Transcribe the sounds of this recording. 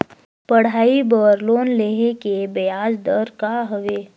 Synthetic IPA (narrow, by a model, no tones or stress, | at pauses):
pəɽ̤aːibəɾloːnleɦekebejaːd͡ʒd̪əɾkaɦəʋeː